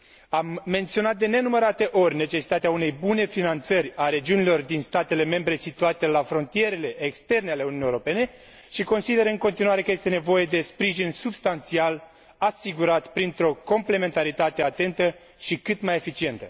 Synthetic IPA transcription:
amːe̞nt̪sio̞nat̪̚d̪e̞ne̞numəɾat̪e̞ʔo̞rʲne̞t͡ʃe̞si̥t̪at̪eaune̞jbune̞finant̪sərʲaɾe̞d͡ʒiunilo̞rd̪inst̪at̪e̞le̞me̞mbɾe̞sit̪uat̪e̞lafɾo̞nt̪ije̞ɾe̞le̞ʔːkst̪e̞rneale̞ununijewɾope̞ne̞ | ʃiko̞nsid̪e̞ɾɨŋko̞nt̪inuwaɾe̞kəje̞st̪e̞ne̞vo̞je̞d̪e̞spɾiʒinsubst̪ant̪sial | asiɡuɾat̪pɾint̪ɾo̞ko̞mple̞me̞nt̪aɾit̪at̪e̞at̪e̞nt̪ə | ʃikɨt̪maje̞fit͡ʃie̞nt̪ə

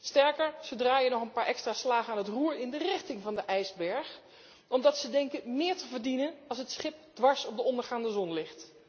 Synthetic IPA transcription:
stɛɹkəɹz̥owdraːjənɔχənpaːɹʔɛkstraːslaːχənaːnətruːɹɪndərɪxtɪŋvɑndəʔɛjzbɛɹχ | ʔɔmdɑtsədɛŋkəmɪːɹtəvəɹdinənɑlˠs̬ɦətsχɪp̚d̥ʋɑɹsɔb̚dəɔndəɹχaːndəzɔnlɪxt

